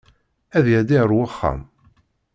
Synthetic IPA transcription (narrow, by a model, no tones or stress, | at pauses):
æðjæd̪iəɾwaχːa̰m